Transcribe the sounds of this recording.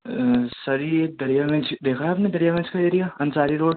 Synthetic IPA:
sɐɾieːk̚d̪ɐɾijamɐ̃nt͡ʃd̪eːkʰaɦaːpned̪ɐɾijamɐ̃nt͡ʃkaeːɾijaɐnsaːɾiɾoːɽ

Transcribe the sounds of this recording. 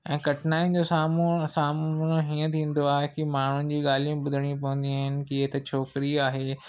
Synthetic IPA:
ɛ̃ːkɐʈʰnaːĩnd͡ʑoːsaːmsaːmʊñɦiːə̃t̪ʰĩːn̆d̪oaːɦekimaːɳ̤ʊnɪ̆d͡ʑiːɠaːlijũbʊd̪ʱəɽ̃ip̬ɐʋə̃nd̪iaːɦɪnɪ̆kiɦet̪ɐt͡ɕʰoːkɪɾiaːɦeː

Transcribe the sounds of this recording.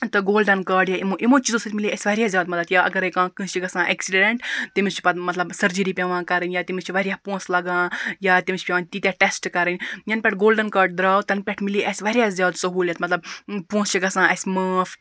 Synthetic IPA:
t̪ɨɡoːlɖɐnkaːɖjaimõʔimõːt͡ʃʰizusɐt̪miliʔɐsʲʋɐɾjaːzʲjaːd̪mɐt̪ɐt̪jaːʔɐ̰ɡɐɾekãːkɨ̃ːt͡ʃiɡɐsãːʔeksiɖeɳʈ̪ːimist͡ʃʰi̥pɐt̪mɐt̪lɐbsɐɾd͡ʒəɾipʲeʋãːkɐɾɨnʲjaːt̪imit͡ʃʰʋɐɾijaːpõːslɐɡãːjaːt̪imit͡ʃʰʲpʲjaːnʲt̪iːt̪ʲaʈesʈkɐɾɨnʲjɐnpʲɛʈʰɡoːlɖɐnkaːɖd̪ɾaːwt̪ɐnpʲɛʈʰmiliʔɐsʲʋɐɾijaːzʲjaːd̪sɐɦuːlʲjɐt̪mɐt̪lɐbpõːst͡ʃiɡɐsãːʔɐsʲmaːf

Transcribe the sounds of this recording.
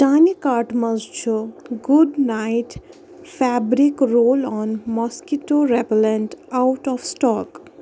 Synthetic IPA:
d͡ʒanikaɾʈmʌzt͡ʃʰuɡuɖnajʈ | fʰɛbɾikɾoːlɔnmɔskiʈoɾeplenʈawʈɔfsʈɔːk

